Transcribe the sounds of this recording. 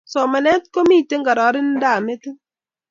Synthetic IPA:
sɔ˨ma˨nɛ˦t̚ko˦mi˦˨te˦ŋ˦ɡa˨ɾɔ˨˦ɾɪ˦n˦da˦˨me˦ti˦

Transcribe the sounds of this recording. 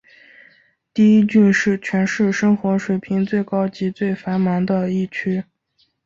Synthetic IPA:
t̪i˥˧i˥t͡ɕy˥˧nʂɻ̩˥˩t͡ɕʰɥɛ˧˥nʂɻ̩˥˩ʂɤ˥ŋxwɔ˧˥ʂwe˨˩ɪpʰi˧˥ŋt͡swe˥˩ɪkɑ˥ʊt͡ɕi˧˥t͡swe˥˩ɪfa˧˥nma˧˥nd̪ə˧i˥˩t͡ɕʰy˥

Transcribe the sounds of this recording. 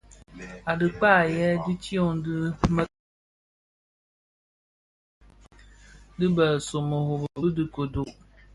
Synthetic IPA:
a˨dɨ˨k͡pa˦˨jɛ˦dɨ˦ti˦o˦ŋ˦dɨ˦mə˦ | dɨ˦bə˨so˨mo˨ho˨bdɨ˨ko˨du˨

